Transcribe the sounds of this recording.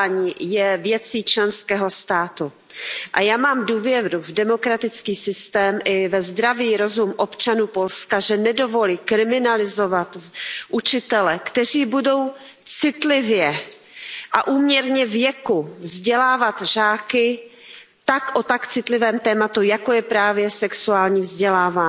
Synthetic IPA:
ɲiːjɛvjɛt͡siːt͡ʃlɛnskɛːɦo̞st̪aːt̪u | ʔajaːmaːmduːvjɛɾuvdɛmo̞kɾat̪ɪt͡skiːsɪst̪ɛːmʔɪvɛzd̪ɾaviːɾo̞zumʔo̞pt͡ʃanuːpo̞lskaʒɛnɛdo̞vo̞liːkɾɪmɪnalɪzo̞vat̪ʔut͡ʃɪt̪ɛlɛkt̪ɛr̝iːbudo̞w | t͡sɪt̪lɪvjɛ | ʔaʔuːmɲɛɾɲɛvjɛkuvzɟɛlaːvat̪ʒaːkɪ | t̪akʔot̪akt͡sɪt̪lɪvɛːmt̪ɛːmat̪ujako̞jɛpɾaːvjɛsɛksuaːlɲiːvzɟɛlaːvaː

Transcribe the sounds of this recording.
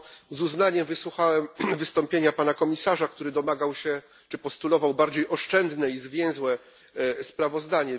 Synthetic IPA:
zuznaɲɛmvɘswuxawɛmvɘst̪ɔmpʲjeɲapanakɔmʲisaʐak̚t̪uɾɘd̪ɔmaɡawɕɛ | t͡ʂɘpɔst̪ulɔvawbaɾd͡ʑejʔɔʂt͡ʂɛnd̪nɛizvʲjɛ̃w̃zwɛ | spɾavɔzd̪aɲɛ

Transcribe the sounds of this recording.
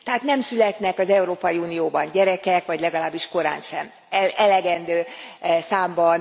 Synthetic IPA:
t̪ɛɦaːt̪nɛmsylɛt̪nɛkɒzɛuɾoːpɒjiuːnijoːbɒɲɟɛɾɛkɛkʋɒɟlɛɡɒlaːbːiʃko̞ɾa̰ːnʃɛm | ɛʔɛlɛɡɛnd̪øːsaːmbɒn

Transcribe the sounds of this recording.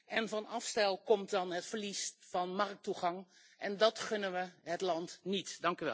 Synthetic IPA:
ʔɛnvɔnɑfstɛlˠkɔmtdɑnɦətfərlisfɑnmɑrk̚tuχɑŋ | ʔɛndɔtχønəʋəɦətlɑntnitdɑŋkyʋɛ̰

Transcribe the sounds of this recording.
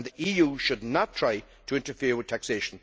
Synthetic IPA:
nðiʔijuʃɨdⁿnətʰɹ̥aɪ | ɾʰəɪ̃ntə˞fɪɹwɨð̥tʰækseɪʃn̩

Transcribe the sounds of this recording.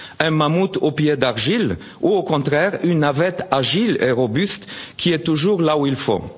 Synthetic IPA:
ɛ̃mamut̪opjed̪aʁʒil | uokɔ̃t̪χɛʁynːavɛt̪aʒilḛʁɔbyst̪kʲʰiɛt̪uʒuʁlauilfo̰

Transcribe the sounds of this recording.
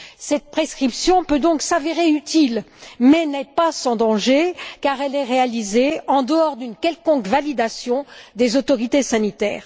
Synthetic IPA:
sɛt̪̚pχeskχipsjɔ̃pød̪ɔ̃ksaveʁeyt̪ilmɛnɛpasɑ̃d̪ɑ̃ʒekaʁɛlɛʁealizeɑ̃d̪əɔʁd̪ynkʲɛlkɔ̃kvalid̪asjɔ̃d̪ezot̪ɔʁit̪esanit̪ɛ̰ːʁ

